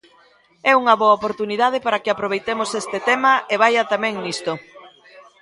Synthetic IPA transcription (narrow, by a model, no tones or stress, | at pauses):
ɛuŋɐβoɐopoɾt̪uniðað̞ɪpaɾakɪapɾoβ̞ejt̪emosest̪et̪ɛmɐeβ̞ajɐt̪amɛ̃ŋnist̪o